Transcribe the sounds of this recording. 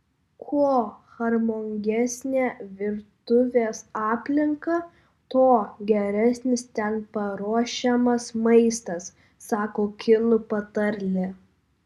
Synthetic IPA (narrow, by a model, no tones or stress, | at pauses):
kʰuɔxɐɾmoːŋʲɡʲɛsʲnʲæːʋʲɪɾt̪ʊʋʲeːsɑːpʲlʲɪŋkɐ | t̪oːɡʲɛɾʲæsʲnʲɪst̪ʲɛnpɐɾuɔʃʲɛmɐsmɐɪst̪ɐsː | ɑːkoːkʲɪlˠʊpɐt̪ɐɾʲlʲɪ